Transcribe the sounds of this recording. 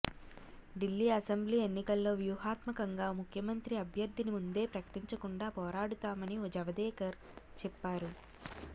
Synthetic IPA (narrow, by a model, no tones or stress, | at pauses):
ɖilːiːɐsembliːe̞nːikɐlːo̞ːʋjuhaːt̪mɐkɐŋɡaːmukʰjɐmɐnt̪ɾiɐbʱjɐɾd̪ʱːinimund̪e̞ːpɾɐkɐ̥ʈiɲt͡ʃɐkuɳɖaːpɔːɾaːɽut̪aːmɐnioːd͡ʒɐʋɐd̪ɛːkɐɾ | t͡ʃɛpːaːɾu